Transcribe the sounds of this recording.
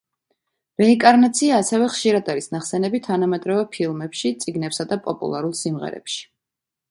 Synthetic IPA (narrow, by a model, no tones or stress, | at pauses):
ɾɛiŋkʼaɾnat̪sʰiaːsɛvɛχʃiɾad̪aɾisnaχsɛnɛbit̪ʰːanamɛd̪ɾɔvɛpʰilˠmɛpʃit̪sʼiɡnɛpsad̪apʼɔpʼṵlˠa̰ɾulˠsimʁɛ̰ɾɛ̰pʃi̥